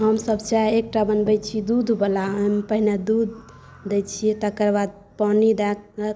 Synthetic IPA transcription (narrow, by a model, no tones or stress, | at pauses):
ɦəmsəbt͡ʃaek̚ʈabənbɛt͡ʃʰid̪ud̪ʱubəlaəmpəɦined̪ud̪̚ʱː | ɛt͡ʃʰijɛt̪əkəɾbad̪̚ | panid̪ak̚ə